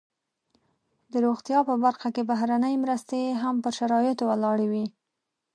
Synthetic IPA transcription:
d̪əɾoɣt̪jɑpəbaɾxakebaɦɾanəjmɾəst̪eɦampəɾʃaɾɑjɪt̪owalɑɽawi

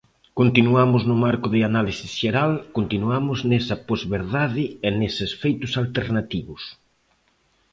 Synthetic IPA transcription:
kont̪inuamʊznʊmaɾkʊðɪanalisisʃeɾalkont̪inuamʊznɛsɐpozβeɾðaðɪenesesfejt̪ʊsalt̪eɾnat̪iβʊs

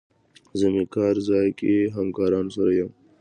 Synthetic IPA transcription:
zəmikɑːɾzaːjkeɦɐmkaːɾɑːnsɐɾɐjɐm

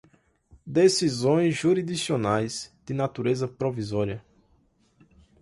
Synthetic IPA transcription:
d̪esizõj̃zʒuɾid̪isionajzd̪̥ɪnat̪uɾezɐpɾovizɔɾiɐ

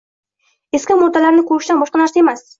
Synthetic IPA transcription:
eskʲawmʊd̪alaɾnɪkʰɵɾɪʃd̪anbɒʃqɑnaɾsae̞mas

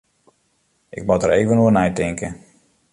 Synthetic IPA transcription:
ʔɪ̰k̚mɔtəɾeːvənuənɛjtɪŋkə

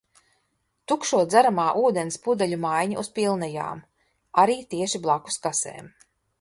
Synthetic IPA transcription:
t̪ukʃuɔd̪zaɾamaːʔuːd̪enspud̪aʎʲumajɲaʔuspilˠnɛja̰ːm | aɾiːt̪iɛʃiblˠaku̥skasḛːm

